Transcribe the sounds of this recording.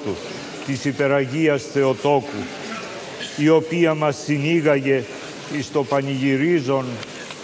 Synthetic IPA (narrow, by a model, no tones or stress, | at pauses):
t̪u | t̪isipe̞ɾɐʝiɐsθe̞o̞t̪o̞kṵ | io̞piɐmɐsːiniɣɐʝe̞ | ist̪o̞pɐniʝiɾizo̞n